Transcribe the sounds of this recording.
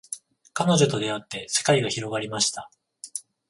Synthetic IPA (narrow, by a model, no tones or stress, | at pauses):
kano̞ʑo̞t̪o̞d̪e̞at̪ːe̞se̞̥kaiɡaçiɾo̞ɡaɾʲimaɕi̥t̪a